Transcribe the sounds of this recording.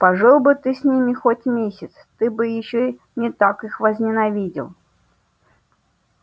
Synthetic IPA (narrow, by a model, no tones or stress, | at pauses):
pɐʐɨlˠbɨt̪ɨsʲnʲimʲɪxotʲmʲesʲɪt̪st̪ɨbɨjɪɕːo | nʲɪt̪akɨxvəzʲnʲɪnɐvʲidʲɪ̰lˠ